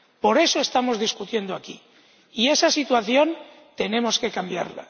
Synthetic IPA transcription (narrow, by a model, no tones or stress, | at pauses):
po̞ɾe̞so̞e̞st̪amo̞zðiskut̪je̞nd̪oaki | ie̞sasit̪waθjo̞n | t̪e̞ne̞moske̞kambja̰ɾla̰